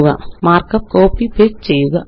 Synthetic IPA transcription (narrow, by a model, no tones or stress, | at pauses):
ɣɐmaːrkɐp̚koːpipeːk̚t͡ɕejːuɣɐ